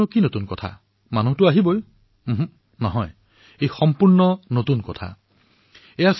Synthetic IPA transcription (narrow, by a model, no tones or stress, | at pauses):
ukinotunkɔtʰa̰ | manuɦtuaɦiboj | ɦ | nɔɦɔj | ejxɔmpuɹnɔnotunkɔtʰa̰ | ejas